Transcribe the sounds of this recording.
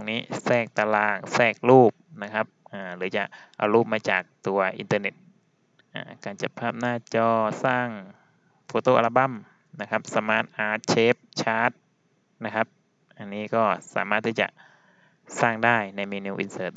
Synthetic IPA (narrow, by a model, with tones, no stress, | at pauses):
ŋniː˦˥sɛː˧˩k̚t̪a˧laː˧˩ŋsɛː˧˩k̚luː˥˩p̚na˦˧kʰa˦˥p̚ʔaː˧˩lɯː˩˦t͡ɕa˨˩ʔʔa̰˨˩wluː˥˩p̚maː˧t͡ɕaː˨˩k̚t̪u˨˩ɐʔḭ˨˧nt̪ɤː˧ne˦˥t̪̚ | ʔa̰ː˧˩kaː˨˩nt͡ɕa˧˩pʰaː˧˩p̚naː˧˩t͡ɕɔː˧˩saː˥˩ŋ | fʰoː˧˦t̪oː˧˩ʔa˧la˧ba˥˩˨m | na˦˧kʰa˦˥p̚sa˧maː˦˧˥t̪̚ʔaː˧˩t̪̚t͡ɕʰeː˦˥p̚t͡ɕʰaː˦˥t̪̚ | na˦˥kʰa˦˥p̚ | ʔa˨˩nːiː˦˥kɔː˥˩sa̰ː˨˩˦maː˥˩t̪ʰːiː˥˩t͡ɕa̰˨ʔ | saː˥˩ŋdaː˥˩jna˧jmiː˧nuː˧ʔḭ˧nsɤː˧˩t̪̚